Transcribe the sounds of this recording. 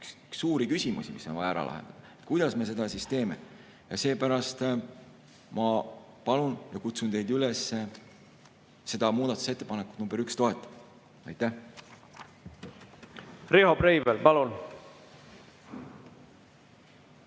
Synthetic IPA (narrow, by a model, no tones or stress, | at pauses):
kskːuːɾikysʲimṵsimisːo̞nvɑjɑɾɑ̰lʔɑ̰ɦḛnd̪ɑd̪̥ɑet̪kujd̪̥ɑsme̞s̬e̞d̪̥ɑsist̪e̞ːme̞ | jɑse̞ːpæɾɑst̪ | mɑ | pɑlunjɑkut̪sunt̪e̞jd̪ylesːe | se̞d̪̥ɑmuːd̪ɑt̪ːu̥set̪ːepɑnekːˑu̥t̪numbeykst̪o̞e̞t̪ːˑɑ̥ | ɑjt̪ːˑæh | rehobɾejvelpɑlun